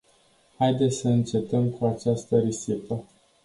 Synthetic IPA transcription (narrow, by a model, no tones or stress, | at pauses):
hajd̪e̞t̪sʲsəɨnt͡ʃe̞t̪əmkʰuat͡ʃast̪əɾisipə